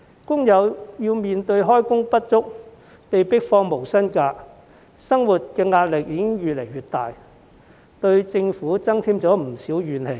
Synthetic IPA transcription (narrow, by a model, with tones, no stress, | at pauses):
kʊ˥ŋjɐ˨˧wjiː˧wmiː˨nt̪ɵ˧ɥɦɔː˥jkʊ˥ŋpɐ˥t̚t͡sʊ˥k̚ | pe˨jpɪ˥k̚fɔː˧ŋmo˨˩wsɐ˥nkaː˧ | sɐ˥ŋwu˨t̚kɛː˧ŋaː˧t̚lɪ˨k̚jiː˧kɪ˥ŋɥy˨t̚le˨˩jyː˨t̚t̪aː˨j | t̪ɵ˧ɥt͡sɪ˧ŋfuː˨˥t͡sɐ˥ŋt̪ʰiː˥mt͡sɔː˨˥m̩˨˩siː˨˥wjyː˨nhe˨˩j